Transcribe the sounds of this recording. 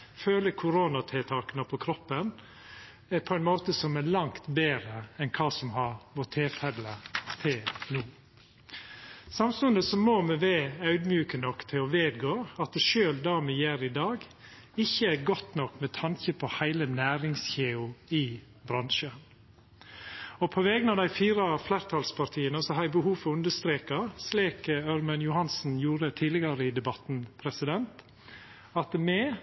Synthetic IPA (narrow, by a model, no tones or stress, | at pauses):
føːləkʰʊɾoːnɑt̪ʰeːt̪ʰɑːkənəpʰɔkʰɾɔpːən | ɛpʰɔɛɪnmoːt̪əsɔmælɑŋt̪beːɾəɛnkʰɑːsɔmhɑɾʋot̪ʰeːfɛlət̪ʰeːnuː | sɑmsʉnd̪əsɔmomɛʋæːœʉd̪mjʉːkənɔkːt̪ʰɪɔʋeːd̪ɡoːɑt̪̚d̪ɛʃøːld̪ɑːmɛjæːɾɪd̪ɑːɡ | ɪçːəæɡɔt̪nɔkːmɛt̪ʰɑŋçəpʰɔhæɪlənæːɾɪŋsçeːʊɪ | bɾɑnʃə | ɔpʰɔʋɛːɡənɑʋd̪æɪfiːɾɑflæːɾt̪ʰɑːlspʰɑɾt̪ʰiːənəsɔhɑɛbəhuːfɔʉnd̪əst̪ɾeːkɑsliːkœɾmənjʊhɑnsn̩juːɾət̪ʰiːd̪lɪɡɑɾəɪd̪ɛbɑt̪n̩pʰɾɛsɪd̪ɛnt̪ | ɑt̪mɛ